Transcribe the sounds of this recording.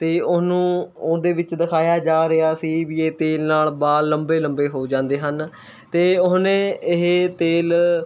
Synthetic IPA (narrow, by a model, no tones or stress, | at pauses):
t̪eːʊsnũːoːd̪eːʋɪt͡ʃd̪əkʰaːjaːd͡ʒaːɾɪjaːsiːʋiːeːt̪eːlnaːlbaːəmbeːləmbeːɦoːd͡ʒãːnd̪eːɦən | t̪eːʊɦnẽːɪɦt̪eːl